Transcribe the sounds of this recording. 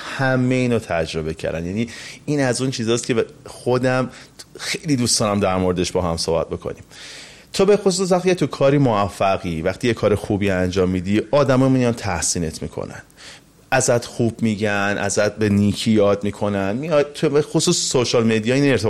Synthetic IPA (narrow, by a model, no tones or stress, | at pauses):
hæmːeiːnɒt̪ʰæd͡ʒɾo̞be̞cʰæ̰ɾæ̰njæniːiːnæzunt͡ʃʰiːzɒːst̪cʰexod̪æmxejliːd̪uːst̪ɒːnæmd̪æɾmo̞ɾed̪eʃbɒːɦæmso̰ːbæ̰t̪̚bo̞kʰo̰nim | t̪ʰobe̞xos̬us̬væxt̪icʰet̪ʰukʰɒːɾiːmoæfːæɣivæxt̪ʰijekʰɒːɾexubiænd͡ʒɒːmːiːd̪iɒːd̪æmɒːmijɒnt̪ʰæhsiːne̞t̪ʰmḭkʰo̰næ̰nd̪̥ | æzæt̪xubmiːɟænʔæ̰zæt̪̚beniːcʰijɒːd̪miːkʰo̞nænmijɒjt̪ʰbexosuːsːoʃɒːlmed̪ijɒːinneɾt̪e